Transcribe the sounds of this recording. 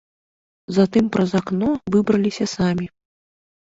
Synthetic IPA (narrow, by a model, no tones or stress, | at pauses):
zat̪ɨmpɾʔɐzaknɔvɨbɾɐlʲisʲɐsamʲi